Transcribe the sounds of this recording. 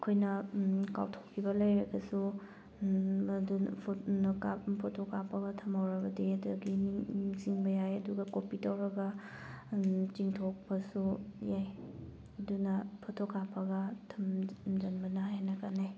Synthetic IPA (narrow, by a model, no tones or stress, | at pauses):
ɐkʰojnɐka̰wtʰokʰːibɐlɐjɾɐɡɐsu | dupʰkappʰotʰokːapːɐɡɐtʰɐmɐwɾɐbɐdiɐdɐɡiniŋziŋbɐjajɐduɡɐkopitawɾɐɡɐ | t͡ʃiŋtʰok̚pɐsujaj | ɐdunɐpʰotʰokːapʰːɐɡɐtʰɐmd͡ʒɐnbɐnɐhenɐkanaj